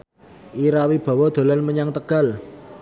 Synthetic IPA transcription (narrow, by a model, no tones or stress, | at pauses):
ʔiɾawib̥a̤wɔd̪̥o̤lanməɲaŋt̪əɡ̥a̤l